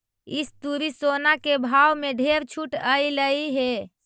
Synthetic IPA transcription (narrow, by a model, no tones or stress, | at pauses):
ist̪uɾisonakebʱawmeɖʱeɾt͡ʃʰuʈəjləiɦe